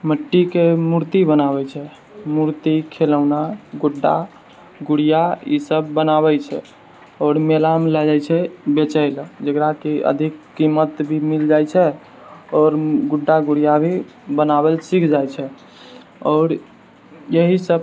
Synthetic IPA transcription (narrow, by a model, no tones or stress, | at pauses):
məʈːikemuɾt̪ibənaβɛt͡ʃʰɛ | muɾt̪ikʰeləʊnaɡuɖːa̰ | ɡuɽijaḭsəbːənaβɛt͡ʃʰɛ̰ | ɔːɾmelamlad͡ʒajt͡ʃʰɛbet͡ʃəɪld͡ʒəɡɾakeə̰d̪ʱikːimət̪bʱimild͡ʒajt͡ʃʰɛ | ɔːɾɡuɖːaɡuɽijabʱi | bənabɛlsikʰd͡ʒajt͡ʃʰɛ | ɔːɾ | jəɦisəb